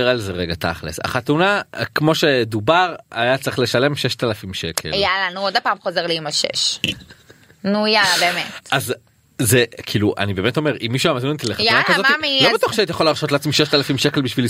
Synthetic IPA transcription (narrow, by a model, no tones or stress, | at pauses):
eʁalzeʁeɡat̪a̰χlḛsa̰χat̪unakmo̞ʃe̞d̪ubaʁajat͡saʁi̥χle̞ʃale̞mʃeʃt̪alafimʃekʰḛljalanuodapaːmχozeʁliimaʃḛʃ | nujalabeːmetʔaz | zekʰiluʔa̰nibeːmeto̞me̞ʁʔimːiʃuamazmint̪ileχat̪nakazoimilobet̪woχʃeaitajaχolaːʁʃo̞t̪lat͡smiʃeʃtalafimʃekelbiʃvili